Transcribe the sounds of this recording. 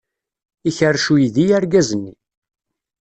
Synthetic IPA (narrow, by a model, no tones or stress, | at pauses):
içərːʃujiðijaɾɡæzənːi